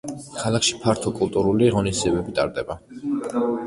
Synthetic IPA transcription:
kʰalˠakʰʃi̥pʰaɾt̪ʰɔkʼulˠt̪ʼuɾuliʁɔnisd̪iɛbɛbit̪ʼa̰ɾd̪ɛba

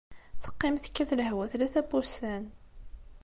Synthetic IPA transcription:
θə̥qːɪmθə̥kːæθləɦwæθlæθæbusæn

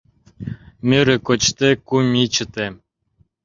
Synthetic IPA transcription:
mʲøɾɘ̆kot͡ɕt̪ekumʲit͡ɕə̆t̪e

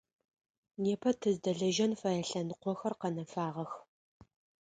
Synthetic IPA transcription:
neːpʰɐtʰɨzdɐɮɐʒɐnfɐjɐɬɐnqʷɔxɐrqɐnɐfaːʁɐx

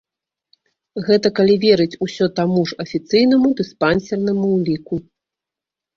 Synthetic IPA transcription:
ɣɛt̪ɐkalʲivʲɛɾɨt͡sʲusʲɔt̪amuʐɐfʲit̪sɨjnɐmud̪ɨspansʲɛrnɐmuwlʲiku

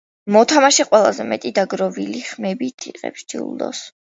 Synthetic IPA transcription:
mɔt̪ʰamaʃiqʼwɛlˠa̰zɛmɛt̪ʼid̪aɡɾɔviliχmɛbit̪ʰiqʼɛ̰psd͡ʒḭṵlˠd̪ɔ̰s

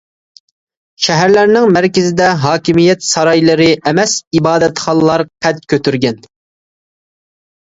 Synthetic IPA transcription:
ʃɛɦæɾlæɾnɪŋmæɾkʲɪzɪd̪ɛɦɑːkʲimijɛt̪sɑɾɑjlˠɨɾɨʔɛmɛsibɑːd̪ɛt̪χɑlˠlˠɑɾqʰɛt̪̚kʲʰøt̪ʰyɾɡʲɛn

